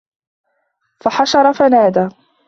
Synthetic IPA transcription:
faħaʃɑɾˤɑfanaːd̪aː

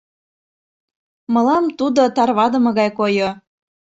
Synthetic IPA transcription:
mɤ̆lɑmt̪ud̪ot̪ɑrβɑd̪ə̆mɤ̆ɣɑjkojo

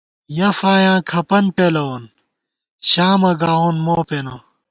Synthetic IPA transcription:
jɐfaːjãːkʰɐpɐnʈelɐon | ɕaːmɐɡaːonmoːpeno

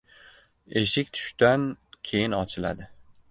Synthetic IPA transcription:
eʃɪkʲt̪ʰʊ̥ʃt̪ankʲʰe̞jɪnɒt͡ʃʰɪla̰d̪ɪ

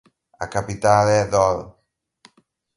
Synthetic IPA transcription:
a̰kapit̪aleðɔl

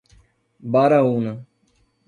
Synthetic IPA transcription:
baːɾaːɦuːna

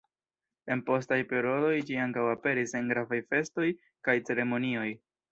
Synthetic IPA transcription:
e̞npo̞stajpeɾodo̞jd͡ʒiaŋkawape̞ɾiseŋɡɾavajfe̞sto̞j | kajt͡se̞ɾe̞mo̞nio̞j

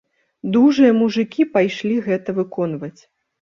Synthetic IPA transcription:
d̪uʐɨjɐmuʐɨkʲipajʂlʲiɣɛt̪ɐvɨkɔn̪vɐt͡sʲ

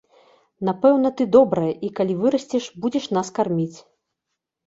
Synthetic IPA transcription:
n̪apɛwnɐt̪ɨd̪ɔbɾɐjɐʔikalʲivɨɾɐsʲt͡sʲɛʂbud͡zʲɛʂn̪askarmʲit͡sʲ

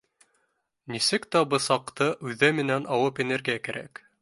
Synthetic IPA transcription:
nisɘkt̪æbɤ̆sɑqt̪ɤʔʉðæmɘ̆nænɑwɤpĕneɾɡʲiækæɾæ̰k

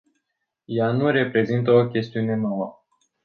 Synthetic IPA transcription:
januɾe̞pɾe̞zint̪əo̞kʲe̞st̪iune̞nowə

